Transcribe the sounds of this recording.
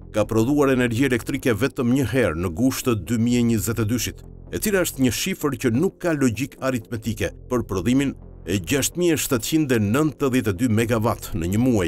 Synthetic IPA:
kapɾɔðuaɾɛnɛɾɟiɛlɛkt̪ɾikɛvɛt̪əmɲəɦɛɾnəɡuʃt̪əd̪ymiɛɲəzɛt̪ɛd̪yʃit̪ | ɛt͡silaəʃt̪ɲəʃifəɾcənukːalɔɟikaɾit̪mɛt̪ikɛpəɾpɾɔðimin | ɛɟaʃt̪miɛʃt̪at̪t͡ɕind̪ɛnənt̪əðjɛt̪ɛd̪ymɛɡavat̪nəɲəmuaj

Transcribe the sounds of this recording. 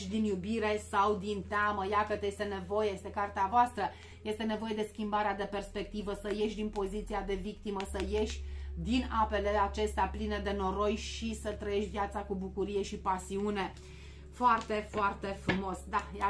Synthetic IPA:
d̪injubiɾe̞sawd̪int̪eaməjakət̪jest̪e̞ne̞vo̞jeje̞st̪e̞kart̪eavoast̪ɾə | je̞st̪e̞ne̞vo̞je̞d̪e̞skʲimbaɾead̪e̞pe̞rspe̞k̚t̪ivəsəje̞ʃʲd̪inpo̞zit̪siad̪e̞vikt̪iməsəje̞ʃʲd̪inape̞le̞at͡ʃe̞st̪eapline̞d̪e̞no̞ɾo̞jʃisət̪ɾəje̞ʃt̪ʲvjat̪sakubukuɾije̞ʃipasiune̞ | foart̪e̞foart̪e̞fɾumo̞sd̪aja

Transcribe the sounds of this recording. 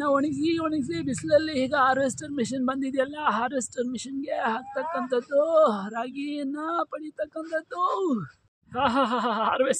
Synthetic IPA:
nɐoɳiɡs̬iːoɳiɡs̬ibislɐlːiiːɡɐaːɾʋesʈɐɾmiʃɐnbɐnd̪id̪jɐlːɐɦaːɾʋesʈɐɾmiʂɐnɡe̞ɦaːɡ̚t̪ɐkːɐnt̪ɐd̪ːuɾaːɡinːɐpɐɽit̪ɐkːɐnt̪ʰɐd̪ːu | ɦaɦaɦaɦaɦaːɾʋes

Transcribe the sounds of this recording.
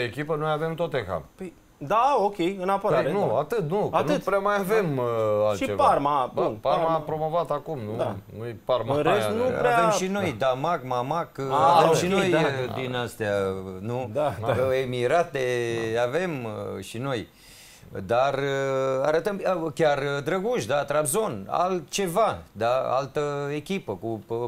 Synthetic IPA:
ekʲipənojave̞mt̪ot̪exa̰pəj | d̪aokʲe̞jɨnapoaaɾenuat̪ɨt̪̚nukanuɨt̪pɾeamajavemalʃit͡ʃevparmabnpaɾmapɾo̞mo̞vat̪akumnud̪anujpaɾmɨɾesnṵpɾḛat̪əʃino̞jd̪amaɡmamakaɾət̪əmʃino̞j̪d̪inast̪eanuemiɾat̪eave̞mʃino̞j | d̪araɾət̪əmkʲard̪ɾəɡuʃd̪at̪ɾabzo̞na̰lt̪̚t͡ʃe̞vad̪aa̰lt̪əe̞kʲipəku

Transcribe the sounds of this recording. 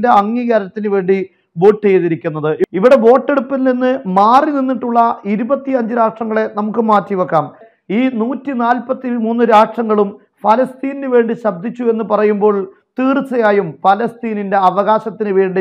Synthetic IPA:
de̞ɐŋːiːɣaːɾɐt̪ːinɨʋe̞ːɳɖi | bo̞ːʈːejðiɾikʲːunːɐðɨʔiʋiɽe̞bo̞ːʈːe̞ɽupːilninːɨmaːrininːiʈːuɭːɐiɾubɐt̪ːiɐɲd͡ʑɨɾaːʂʈrɐŋːɐɭe̞nɐmukːɨmaːtːiʋɐkːaːm | iːnuːtːinaːlpɐt̪ːimuːnːɨɾaːʂʈrɐŋːɐɭum | fɐlɐst̪iːninɨʋe̞ːɳɖiɕɐb̚d̪ʱit͡ɕːue̞nːɨpɐrɐjumbo̞ːɭ | t̪iːrt͡sːɐjaːjumpɐlɐst̪iːninde̞ɐʋɐɣaːɕɐt̪ːinɨʋe̞ːɳɖi

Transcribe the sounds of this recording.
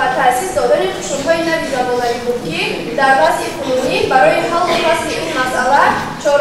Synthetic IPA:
at̪ʰasisd̪ɔd̪aniqʰu̥ʃumɦɔinavizabɔlavibud̪̚kʰi | d̪aɾvazikʰununibaɾɔjiχalˠqikasliʔinmasʔala | t͡ʃʰɔɾ

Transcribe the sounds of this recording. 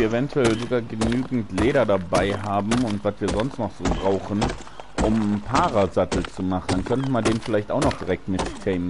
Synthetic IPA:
iɐevɛntʰuɛlzoɡaːɐɡənyːɡŋ̩tleːɾɐdabaɪɦaːbm̩ʊntv̥asv̥iːɐzɔnstnɔχz̥oːbʁaʊxn̩ | ʔʊmpʰaːʁazatl̩t͡sumaχn̩dankʰœntənmandeːnfɪlaɪçtʔaʊxnɔχd̥iʁɛk̚tmɪttʰɛːm

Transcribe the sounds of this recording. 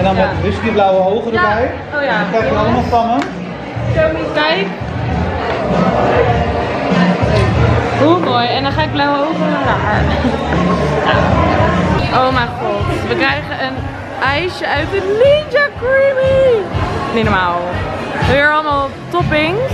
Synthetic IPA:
ɛndɔnmɛʋɪskiblawəɦowχədəɹbɛj | ojankaːəɑlˠəmalˠfɑmə | kɛjk | ɦumoːjɛndɔnχaːɪɡ̚blawəowχənədaːən | ja | owmajχɔtʋəkrɛjχənən | ʔɛjʃəœɥtəlid͡ʒakɹimi | ninɔmaːlˠʋəɪɹɑlˠəmaːlˠ | tɔpɪŋ

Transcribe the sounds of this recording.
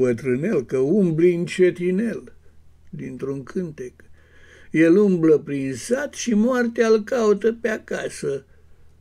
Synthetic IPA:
bət̪ɾɨne̞lkəumbliint͡ʃet̪ine̞l | d̪int̪ɾuŋkʰɨnt̪ek | je̞lumbləpɾinsat̪ʃimoart̪ealkaut̪əpeakasə

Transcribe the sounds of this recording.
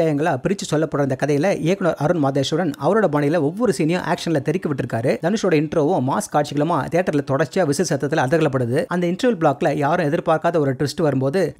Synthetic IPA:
jaːjɐŋɡɐɭaːpɪɾɪt͡ʃːɯsɔlːɐpːɐɽɾɐnd̪ɐkɐðɐjɪlɐʔeːkːɐnoːɾɐɾɯnmaːðeːʂɯɽɐnɐʋɐɾoːɽɐbaːɳɪjɪlɐɔʋːɔɾɯsiːnɪjʊ̰̃ʔa̰ːkʂɐnɪlɐt̪ɛɾɪkːɯʋɪʈːɪɾɯkːaːɾɯd̪ɐnɯʂoːɽɐɪɳʈɾoːʋʊ̃maːskːaːʈ̚t͡ʃɪɣɐɭɐmaːt̪eːʈːɐɾɪlɐt̪ɔɽɐɾt͡ʃaːʋɪsɐsɐt̪ːɐt̪ːɪlɐðɐɣɐɭɐp̬ːɐɽɯðɯʔɐnd̪ɐɪɳʈɾɐʋɪlbɭaːkːɪlɐjaːɾɯ̃ɛðɪɾpaːɾkaːðɐɔɾɯʈʋɪsʈɯʋɐɾɯmpoːðɯ

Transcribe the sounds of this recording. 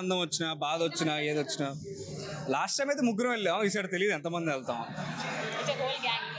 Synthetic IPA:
ɐnd̪ɐmɐt͡ʃːinaːbaːd̪ʋɐt͡ʃːinaːeːd̪ɐt͡ʃːinaː | laːsʈɐjmeːt̪ɐmukɾɐ̃melːaisɐɽɐt̪elijd̪ɛnt̪ɐmɐnd̪inɛlt̪aːʋɐ̰ | ɐt͡ʃeɡoːlɡaː

